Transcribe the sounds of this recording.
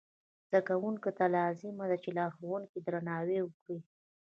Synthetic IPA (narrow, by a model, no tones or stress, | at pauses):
z̥akawuŋkot̪alɑzɪmad̪at͡ʃelaxowuŋkid̪ɾanɑwewəkɽi